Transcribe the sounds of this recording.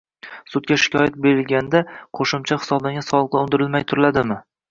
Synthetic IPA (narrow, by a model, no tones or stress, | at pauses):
sʊt̪̚ɡʲaʃɪ̥kʰʲɒjat̪̚beɾɪlɡʲand̪aqʰoʃɪmt͡ʃʰaχɪ̥sɒbd̪anʲɪsɒlˠɨq̚lˠaʊnd̪ɪɾɪlmajt̪ʰʊɾɪlad̪ɪmɪ